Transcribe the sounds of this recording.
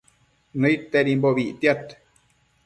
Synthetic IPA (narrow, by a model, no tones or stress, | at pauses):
nɨit̪ːeɾimboβiʔt̪jat̪